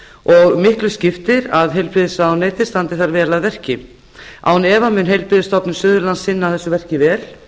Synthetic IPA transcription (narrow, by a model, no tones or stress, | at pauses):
ɔɣmɪhklʏscɪft̪ɪɾaðɦejlpɾɪðɪsawneːjt̪ɪ̥st̪ant̪ɪθaɾvɛːlaðvɛr̥cɪ | ʔa̰wnɛːvamʏnɦejlpɾɪðɪst̪ɔpnʏmsʏːðʏɾlansɪnːawθɛsːʏvɛr̥cɪvɛːl